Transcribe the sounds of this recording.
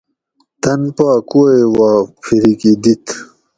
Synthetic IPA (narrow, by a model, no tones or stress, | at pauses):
t̪ɐnpaːkuewaːpʰiɾikid̪it̪